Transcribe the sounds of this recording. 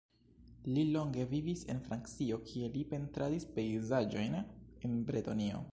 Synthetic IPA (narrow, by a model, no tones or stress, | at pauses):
lilo̞ŋɡe̞vivise̞̰nfɾankt͡sio̞kʰie̞lipe̞ntɾadispe̞jzad͡ʒo̞jnenbɾetonio̞̰